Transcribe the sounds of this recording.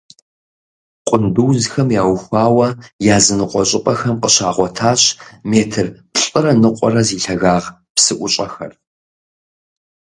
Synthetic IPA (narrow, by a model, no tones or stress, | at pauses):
qʷʼʊnduːzxɐmjaːwxʷɑːwɐjaːzɨnɨqʷʼɔɕʼɪpʼɐxɐmqəɕaːʁʷɔtʰaːɕmeːtʰɨrpɬʼɪɾɐnɨqʷʼɔɾɐziːɬɐɣaːʁ | psɨʔʷʊɕʼɐxɐ̰r